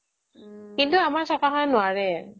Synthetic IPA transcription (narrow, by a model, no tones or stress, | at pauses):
kintuamaɹsakaɦanʊaɹɛ